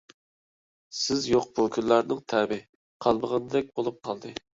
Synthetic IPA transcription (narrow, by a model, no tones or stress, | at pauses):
sɪzjoq̚bukʲʰynlˠɑɾnɨŋt̪ʰæɾbɪ | qʰɑlˠməʁənɨd̪ɛk̚ʲbolˠup̚qʰɑlˠd̪ɨ